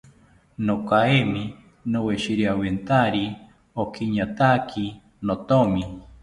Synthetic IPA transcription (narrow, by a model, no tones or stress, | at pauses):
nokaemi | noweʃiɾiawent̪aɾi | okʰiɲat̪akʰi | not̪omi